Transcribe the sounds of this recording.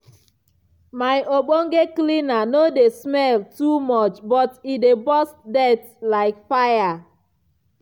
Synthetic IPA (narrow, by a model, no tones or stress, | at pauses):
maɪʔoɡ͡boŋ̩ɡeklinanodesmɛltumɔt͡ʃbɔtidebɔsdɛt | laɪkfaja